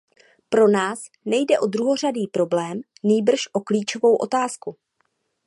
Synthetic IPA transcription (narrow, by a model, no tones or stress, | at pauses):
pɾo̞naːs | nɛjdɛʔo̞d̪ɾuɦo̞r̝adiːpɾo̞blɛːm | niːbr̩ʃʔo̞kliːt͡ʃo̞vo̞wʔo̞̰t̪aːsku